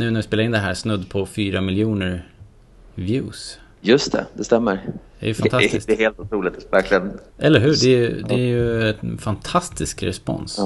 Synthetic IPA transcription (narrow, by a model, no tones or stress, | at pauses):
nʉ̟ːnæɾvɪspeːlɾɪnd̪ɛɦæːɾsnɵd̪ːpʰɔfyːɾamɪljuːnəɾ | vjʉ̰ːs | jɵst̪ʰɛ̰d̪ɛst̪ɛmːəɾd̪ɛæɾjəfanʰaɪsd̪ɛheːlt̪ʊt̪ʰɾuːlɪt̪væɾklɪɡən | ʔɛlːəɾɦʉ̟ːɖɛjd̪ɛæɾjɵɛfant̪ʰast̪ʰɪskɾɛ̰spɔ̰ns